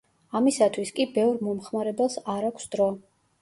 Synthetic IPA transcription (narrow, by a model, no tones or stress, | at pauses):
amisat̪ʰwiskʼibɛvɾmɔmχmaɾɛbɛlˠsaɾakʷʰsd̪ɾɔ